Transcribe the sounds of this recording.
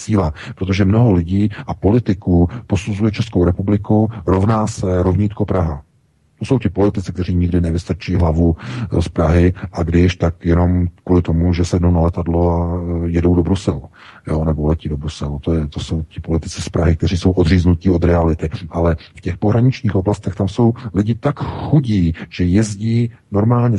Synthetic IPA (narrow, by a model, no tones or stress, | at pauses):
siːlapɾot̪̬o̞ʒɛmno̞ɦo̞lɪɟiːʔapo̞lɪt̪ɪkupo̞suzujɛt͡ʃɛskowɾɛpublɪkuɾo̞vnaːsɛɾovɲit̪kopɾaɦa | t̪oso̞wcɪpo̞lɪt̪ɪt͡sɪk̚t̪ɛriːɲɪɡdɪnɛvɪst̪at͡ʃiiːɦlavuspɾaɦɪʔaɡdɪʃt̪akjɛno̞mkvuːlɪt̪omuʒɛsɛdnownalɛt̪adlojɛdo̞wdo̞bɾusɛlu | joːnɛbolɛciːdo̞bɾusɛlut̪ojɛt̪oso̞wcɪpo̞lɪt̪ɪt͡sɪspɾaɦɪk̚t̪ɛr̝iːso̞wʔod̪riːznuciːo̞d̪ɾɛalɪt̪ɪʔalɛfcɛxpoɦɾaɲɪt͡ʃɲiːxoblast̪ɛxt̪amso̞wlɪɟɪt̪akxuɟiːʒ̥ɛjɛzɟiːno̞ɾmaːlɲɛ